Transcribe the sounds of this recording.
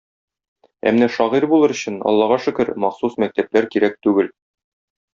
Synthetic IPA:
æ̰mnæʃɒʁiɾbulˠɤɾɵ̆ɕɘnɒ̰lˠːɑʁɑʃɘ̆kɘɾmɑχsusmæk̚t̪æp̚læɾkiɾæk̚t̪ʉɡɘl

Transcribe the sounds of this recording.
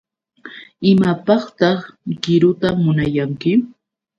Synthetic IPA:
ɪmapɑχt̪ɑχɢɪɾʊt̪amʊnajaŋkɪ

